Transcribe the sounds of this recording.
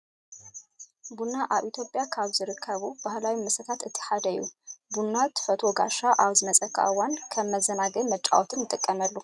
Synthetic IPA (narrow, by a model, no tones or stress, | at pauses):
bunaʔaβʔit̪ʰjo̞pʼjakʰaβzɨɾɨkʰːɐβubahlawimɨsɐt̪ʰat̪ɨt̪ʰi̥ħad̪ɐjːṵbunːat̪fɐt̪ʰo̞ɡaʃaʔaβzɨmɐt͡sʼɐkʰʼːa̰ʔɨwankʰɐmːɐzɐnaɡɐmɐt͡ʃʼa̰wot̪ʰɨnjɨt̪ʼɨkʼːɐmɐlːu